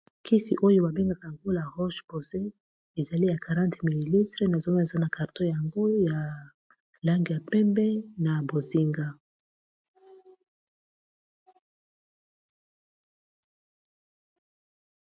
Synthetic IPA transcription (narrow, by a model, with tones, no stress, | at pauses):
kʰi˦si˨ʔo˦jo˦ba˨be˦ŋɡa˨ka˨ja˨ŋɡo˦la˨ʁɔ˦ʃpo˨ze˦ | e˨za˨li˦ja˨ka˨ʁã˦nti˨mi˨li˨li˦tʁe˦na˨zo˦ma˦˨e˨za˦na˨ka˨ʁtõ˦ja˨ŋɡo˦ja˨ | la˦ŋɡi˨ja˨pɛ˦mbɛ˦na˨bo˨zi˦ŋɡa˦